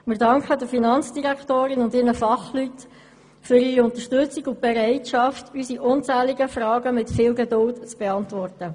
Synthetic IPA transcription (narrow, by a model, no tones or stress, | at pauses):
mɪɾdɑŋkχədəfinɑnt͡sd̥iʁæktoːɾɪnʊndɪnəfɑχlyt | fʏɾiːɾiʊnt̪əʃtʏt͡sɪɡʊnt̚b̥eɾɛɪtʃɑftysiʔʊnt͡sæːliɡəfrɑːɡəmɪtfɪːlɡedʊltt͡sb̥eɑntvɔrtə